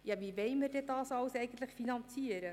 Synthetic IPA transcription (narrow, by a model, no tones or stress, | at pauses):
jɑvivɛjmərdɛdɑːsɑwsɛjɡən̩tləχfinɑnt͡siəɾə